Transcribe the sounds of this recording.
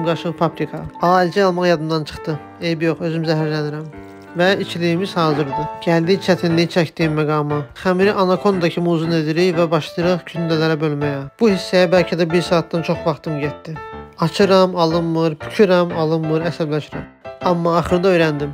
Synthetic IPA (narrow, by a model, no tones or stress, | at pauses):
ɡɑʃɯʁpʰɑpɾikʰɑɑlʲd͡ʒʰɛɑlˠmɑʁjɑd̪ɯmd̪ɑnt͡ʃʰɯ̥χt̪ɯ | ejbijo̞χø̞zymzæɦæɾlæniɾæm | væit͡ʃʰilijimiz̥hɑːzɯɾd̪ɯɟ̥æld̪it͡ʃʰæt̪ʰinlijit͡ʃʰæcd̪iimmæɡɑːmɑχæmiɾiʔɑnɑkʰo̞nd̪ɑcʰimuːzuned̪iɾijvæbɑʃlˠɯɾɯʁkʰynd̪ælæɾæbølmæjɑb̥uhisːæjæbælcʰid̪æbiɾsɑːt̪̚ːɑnt͡ʃʰo̞χvɑχt̪ʰɯmɟet̪ːiɑt͡ʃʰɯɾɑmɑlˠɯnːɯɾpʰy̥cʰyɾɑmɑlˠɯnmɯɾæsæblæʃiɾæ̰mɑmːɑːχɯɾd̪ɑø̞jɾænd̪im